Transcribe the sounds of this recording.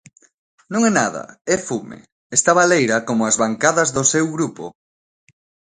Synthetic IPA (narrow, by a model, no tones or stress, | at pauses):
nõŋɛnaðɐ̰ɛfumḛ | ɛst̪aβalejɾɐkomʊazβaŋkaðɐzðʊsewɣɾupo̰